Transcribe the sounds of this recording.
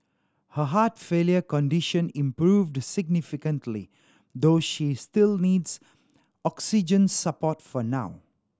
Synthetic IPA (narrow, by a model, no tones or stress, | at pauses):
həɦatfeljəkɔ̃ndiʃə̃nĩmpɹuːvdsɪɡ̚nifikə̃ntʰlḭ | d̪oːʃistilniːds | ɔksid͡ʒə̃nsəpɔtfɔnaʊ